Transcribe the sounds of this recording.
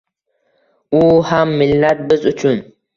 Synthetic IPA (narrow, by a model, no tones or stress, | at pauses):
uhamːɪlːat̪̚bɨzʊt͡ʃʰʊn